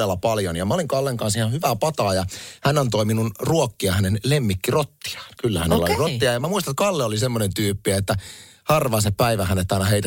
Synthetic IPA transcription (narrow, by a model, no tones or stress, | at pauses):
elːɑpɑljonjɑmæoliŋkɑlːeŋkɑnsihɑhyʋæpɑt̪ɑːjɑhænːɑnt̪oiminunruokːiɑhænenlemːikːirot̪ːi̥ɑ̥ːnkylːæhænelːæoolirot̪ːiɑjɑmæmuist̪ɑnet̪̚kɑlːeolisemːonent̪yːpːiæet̪ːæ | hɑrʋɑːseppæiʋæhænet̪ːɑinɑheit̪æ